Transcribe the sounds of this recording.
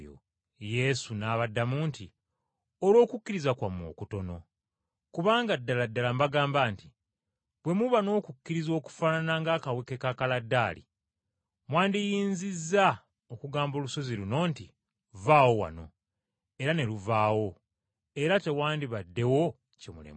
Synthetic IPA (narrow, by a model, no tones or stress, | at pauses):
o̰ | je̞sunaːβadːamuːnti | olwo̞ːkukːiɾizakwamo̞̰ːkuto̞no̞ | kuβaːŋɡadːaladːalambaɡaːmbaːnti | βwe̞muβano̞ːkukːiɾizo̞ːku̥fananaŋɡaːkawekekakaladːaːlḭ | mwaːndijiːnzizːa | okuɡaːmbo̞ːluso̞ziluno̞ːnti | vaːwo̞wa̰no̞̰ | e̞ɾane̞luvaːwo̞ | e̞ɾate̞waːndiβadːe̞wo̞ | cemulḛme